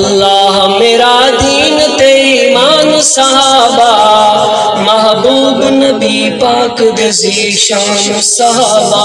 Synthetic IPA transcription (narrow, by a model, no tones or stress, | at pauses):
ɐlːaːɦmeɾaːd̪iːnt̪eimaːnsɐɦaːba | mɐɦbuːbnɐbiːpaːkd̪eziː | ʃaːm | sɐɦaːba